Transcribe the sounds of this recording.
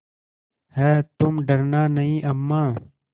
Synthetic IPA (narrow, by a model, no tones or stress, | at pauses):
hɛːt̪umɖɐɾnaːnɐĩːʔɐmːaː